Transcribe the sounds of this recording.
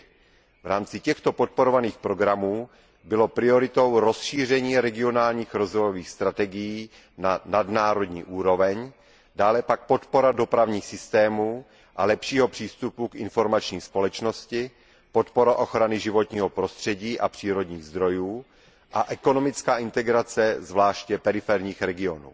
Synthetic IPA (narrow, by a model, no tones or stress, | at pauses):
vɾaːmt͡sɪcɛxt̪o̞pot̪̚po̞ɾo̞vaniːxpɾo̞ɡɾamuː | bɪlopɾɪo̞ɾɪt̪o̞wɾo̞sʃiːr̝ɛɲiːɾɛɡɪo̞naːlɲiːxɾo̞zvo̞jo̞viːxst̪ɾat̪ɛɡɪjiː | nanadnaːɾo̞dɲiːʔuːɾo̞vɛɲ | daːlɛpak̚po̞t̪po̞ɾado̞pɾavɲiːxsɪst̪ɛːmuː | ʔalɛpʃiːɦo̞pr̥iːst̪upukʔɪ̰nfo̞ɾmat͡ʃɲiːspo̞lɛt͡ʃno̞scɪ | po̞t̪poɾaʔoxɾanɪʒɪvo̞t̪ɲiːɦopɾo̞st̪r̝̥ɛɟiːʔa̰pr̥iːɾo̞dɲiːɣzd̪ɾo̞juː | ʔaʔɛko̞no̞mɪt͡skaːʔɪnt̪ɛɡɾat͡sɛzvlaːʃcɛpɛɾɪfɛɾɲiːxɾɛɡɪo̞nṵː